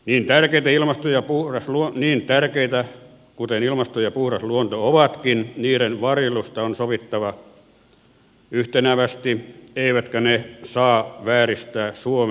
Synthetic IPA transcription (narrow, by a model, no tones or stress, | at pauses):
niːnt̪ærkeit̪æilmɑst̪ojɑpuhrɑsluoniːnt̪ærkeit̪æ | kut̪enilmɑst̪ojɑpuhrɑsluont̪ooʋɑt̪kinniːɾenʋɑrjelust̪ɑonsoʋit̪ːɑʋɑ | yht̪enæʋæst̪ieiʋæt̪kænesɑːʋæːrist̪æːsuom